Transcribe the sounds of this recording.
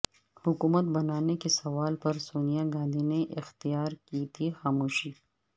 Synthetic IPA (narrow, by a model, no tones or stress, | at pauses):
hʊkuːmət̪̚bɐnaːnekesɐʋaːlpɐɾsoːnijaɡãːnd̪ineʔɪxt̪ijaːɾkiːt̪ʰixaːmuːʃiː